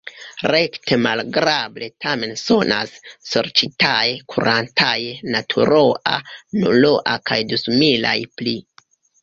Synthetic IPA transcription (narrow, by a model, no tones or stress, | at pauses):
ɾe̞kte̞malɡɾable̞tʰame̞nso̞nʔa̰sːoɾt͡ʃitajkʰuɾʔantʰajnatʰṵɾo̞ʔanulo̞ʔakajdusmila̰jpli